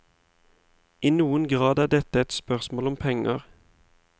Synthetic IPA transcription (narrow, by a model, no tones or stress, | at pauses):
ʔiːnuːənɡʁɑːd̪æːʁd̪ɛt̪əɛt̪spœʁsmoːlɔmpʰɛŋəʁ